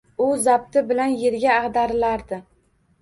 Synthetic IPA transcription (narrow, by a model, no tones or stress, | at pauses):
ʊzab̚t̪ʰɪbɪlanjeɾɡʲaːʁd̪aɾɪlaɾd̪ɪ